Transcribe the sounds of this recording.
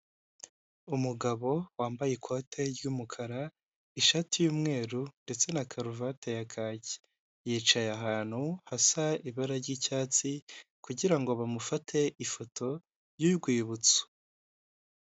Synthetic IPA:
umuɡaβo̞waːmbajekʰo̞tʰe̞ɾɟuːmukʰaɾa | iʃatijuːmŋe̞ːɾunde̞t͡se̞nakʰaɾuvatejakʰaːɟi̥ | jiːt͡ʃajaɦaːn̥huhasaiβaɾaɾɟiːcaːt͡sikuɟiɾaŋɡo̞βamufatʰe̞ʔifotʰo̞ | ɾjuɡwiːβut͡su̥

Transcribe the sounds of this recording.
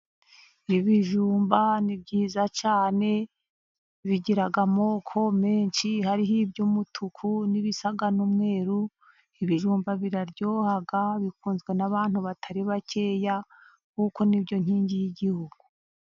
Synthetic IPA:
iβiʒuːmbanibɟiːzat͡ʃaːne̞ | βiɟiɾaɡamo̞kʰo̞meːnʃihaɾiɦibɟumutʰukʰuniβisaɡanumŋe̞ːɾu | iβiʒuːmbaβiɾaɾɟo̞ːhaɡaβikuːnzɡwe̞naβaːn̥huβatʰaɾiβace̞ːja | kuko̞nibjo̞ɲ̥hiːɲɟijiɟihuɡ̥u

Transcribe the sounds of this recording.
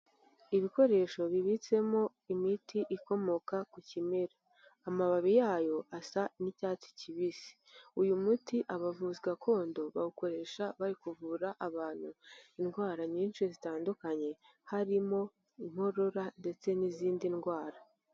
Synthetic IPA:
iβiko̞ɾe̞ʃo̞βiβit͡se̞mo̞ | imitiʔiko̞mo̞kakucimeɾaː | maβaβijaːjo̞ʔasanicaːt͡si̥ciβisi̥ | ujumutiʔaβavuziɡakʰo̞ːndo̞βauko̞ɾe̞ʃaβaɾikuvuɾaʔaβaːn̥huinɡwaːɾaɲiːnʃizitaːndukaɲe̞ | haɾimo̞ | im̥ho̞ɾo̞ɾande̞t͡se̞niziːndinɡwaːɾa

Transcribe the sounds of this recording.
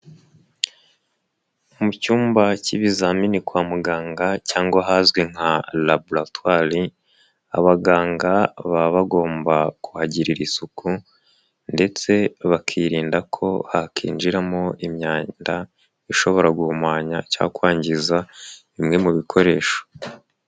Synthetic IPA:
umucuːmbaciβizaminikwaːmuɡaːŋɡacaːŋɡaɦazɡwe̞ŋ̥halabulatwaɾi | a̰βaɡaːŋɡaβaβaɡo̞ːmbakuhaɟiɾiɾisuku | nde̞t͡se̞βakʰiɾiːndakʰo̞hakʰḭːnd͡ʒiɾamo̞ʔimɲaːnda | iʃo̞βo̞ɾaɡuumwaːɲaca̰ːkwaːɲɟiza | imŋe̞muβikʰo̞ɾe̞ːʃo̥

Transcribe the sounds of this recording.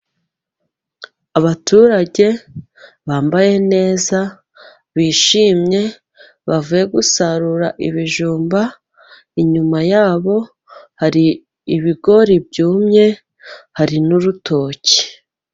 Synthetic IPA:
aβatʰuɾaɟe̞ | βaːmbaje̞ne̞ːza | βiːʃiːmɲe̞ | βavuje̞ɡusaɾuɾaʔiβiʒuːmba | iɲumajaːβo̞ | haɾiː | βiɡo̞ɾibɟuːmɲe̞ | haɾinuɾutʰo̞ci̥

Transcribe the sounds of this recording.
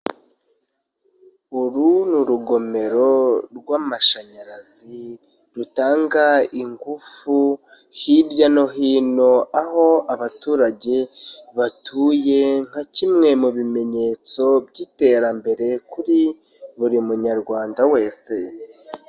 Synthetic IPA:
uɾunuɾuɡo̞me̞ɾo̞ɾɡwaːmaʃaɲaɾaz | i | ɾutaːŋɡaiŋɡufu | hiɾɟano̞ɦiːno̞aɦo̞aβatuːɾaɟe̞βatʰuːje̞ŋ̥hacimŋe̞muβime̞ɲe̞ːt͡so̞bɟiːte̞ɾambe̞ɾe̞kuɾi | βuɾimuɲaɾɡwaːndawe̞ːse̞

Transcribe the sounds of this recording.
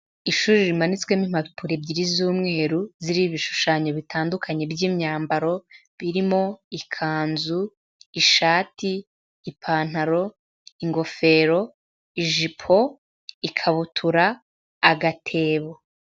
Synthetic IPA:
iʃuːɾiɾimanit͡swemim̥apuɾe̞bɟiɾizuːmŋe̞ːɾuziɾiβiʃu̥ʃaːɲo̞βitʰaːndukʰaɲe̞bɟiːmɲaːmbaɾo̞ | βiɾimo̞ikʰaːnzu | iʃaːtiː | pʰaːn̥aɾo̞ | iŋɡo̞fe̞ːɾo̞ | iʒipʰo̞ | ikʰaβutʰuɾaː | ɡatʰe̞ːβo

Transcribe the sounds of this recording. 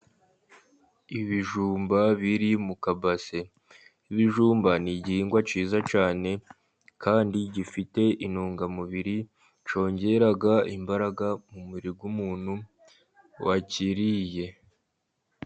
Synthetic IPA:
iβiʒuːmbaβiɾimukabase̞ | iβiʒuːmbaniɟihiːŋɡwat͡ʃiːzat͡ʃaːne̞ | kaːndiɟifite̞ʔinuːŋɡamuβiɾi | t͡ʃo̞ːɲɟe̞ɾaɡaimbaɾaɡamumiɾiɡwumuːn̥hu | waciɾije̞

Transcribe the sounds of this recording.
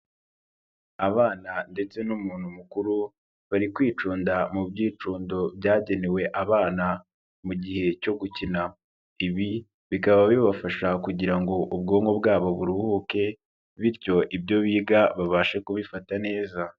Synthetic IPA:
aβaːnande̞t͡se̞numuːnhumukuɾu | βaɾikwiːt͡ʃuːndamubɟiːt͡ʃuːndo̞bjaːɟe̞ne̞we̞ʔaβaːna | muɟihe̞co̞ɡucina | iβi | βikaβaβiβafaʃakuɟiɾaŋɡo̞ʔub̚ɡo̞ːŋɡo̞bɡaːβo̞βuɾuhuke̞ | βiɾco̞ʔibjo̞βiːɡaβaβaʃekuβifatane̞ːza

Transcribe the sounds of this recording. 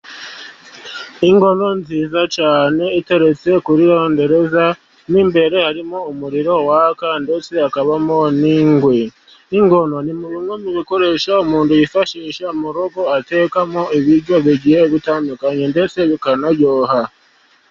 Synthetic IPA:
iŋɡo̞no̞nziːzat͡ʃaːne̞ite̞ɾe̞t͡se̞kuɾiɾoːnde̞ɾe̞za | niːmbe̞ɾe̞haɾimo̞umuɾiɾo̞wakande̞t͡se̞akaβamo̞niːŋɡwe | iŋɡo̞no̞nimuβiŋwemiβiko̞ɾe̞ʃaumuːntujifaʃiːʃamuɾoɡo̞ate̞ːkamoiβiɾɟoβiɟijeβitaːndukaɲende̞t͡se̞βikanaɟoːha

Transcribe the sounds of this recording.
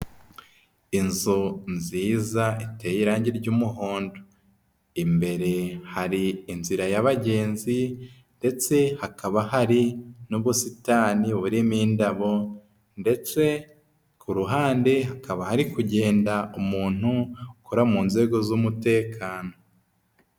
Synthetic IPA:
inzunziːzaitejiɾaːɲɟiɾɟuːmuɦo̞ːndo | imbe̞ɾe̞haɾiːnziɾajaβaɟe̞ːnzi | nde̞t͡se̞hakaβahaɾinuβusitaːniβuɾimiːndaβo̞ | nde̞t͡se̞ | kuɾuɦaːnde̞ɦakaβahaɾikuɟe̞ːndaumuːn̥hukoɾamuːnze̞ːɡo̞zumute̞ːkʰaːno

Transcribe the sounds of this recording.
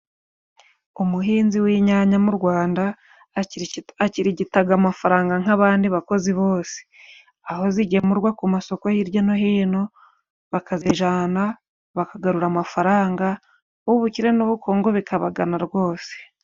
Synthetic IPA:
umuɦiːnziwiːɲaɲamuɾɡwaːnda | aciɾiɟitaɡamafaɾaːŋɡaŋ̥aβaːndiβako̞ziβo̞ːse̥ | aho̞ziɟemuɾɡwakumaso̞ko̞jiɾjonoɦiːno̞ | βakazeʒaːna | βakaɡaɾuɾamafaɾaːŋɡa | uβuciɾe̞nuβukʰoːŋɡo̞βikʰaβaɡanaɾɡwo̞ːse̥

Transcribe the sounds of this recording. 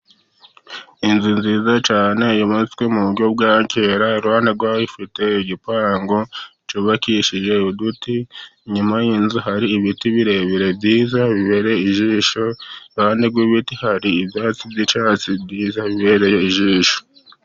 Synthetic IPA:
inzinziːzat͡ʃaːne̞jomut͡skwemuβuɾɟo̞b̚ɡaːɲceɾaɾuhaːndeɡwaːifite̞iɟipaːŋɡot͡ʃuβakiʃiʒe̞udutiɲumajinzuɦaɾiːβitiβiɾe̞βiɾe̞bɟiːzaβiβe̞ɾe̞iʒiːʃoɾaːndeɡwiβitihaɾiːbjaːt͡sibɟit͡ʃaːt͡sibɟiːzaβiβe̞ɾe̞jeiʒiːʃo̥

